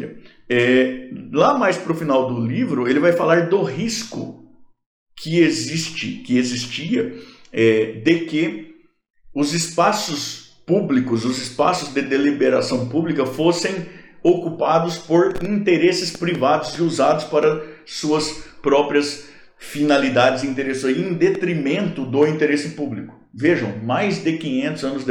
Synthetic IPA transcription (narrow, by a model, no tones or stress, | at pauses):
ɛlamajspɾʊfinawd̪ʊlivɾʊelɪvajfalaɾd̪ʊɦiskʊ̰ | kʰɪezist͡ʃɪ̰kɪezist͡ʃiɐɛd̪ɪkɪ | ʊzɪspasʊs | publikʊzʊzɪspasʊzd̪ɪd̪elibeɾa̰sɐ̃w̃publikɐfosẽj̃okupad̪ʊspoɾĩnt̪eɾesɪspɾivad̪ʊzɪuzad̪ʊspaɾɐsuɐspɾɔpɾiɐs | finalid̪ad͡ʒɪzɪ̃ĩnt̪eɾeszoiẽd̪et̪ɾimẽnt̪ʊd̪ʊĩnt̪eɾesɪpublikʊ̥ | veʒɐ̃w̃majzd̪ɪkĩɲẽnt̪ʊzɐ̃nʊzd̪